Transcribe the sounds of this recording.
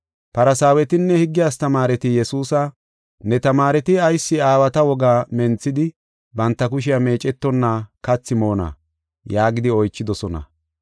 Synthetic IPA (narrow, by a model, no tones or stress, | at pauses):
pɐɾɐsaːwɛt̪ɪnːɛhɪɡːɪjaːst̪ɐmaːɾɛt̪ɪjɛsuːsɐ | nɛt̪ɐmaːɾɛt̪ɪɐjsːɪaːwɐt̪ɐwɔɡaːmɛnt͡sːɪd̪ɪ | bɐnt̪ːɐkʊʃ̬ɪjɐme̞ːt͡ʃʼɛt̪ːɔnːaːkɐt͡sːɪmo̞ːnɐ̰ | jaːɡɪd̪ɪɔjt͡ʃːɪd̪ɔsɔnɐ̰